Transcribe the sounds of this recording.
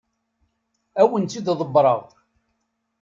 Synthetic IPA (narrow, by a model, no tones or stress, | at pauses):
æwənt̪ːid̪ðˤəbɾˤəʁ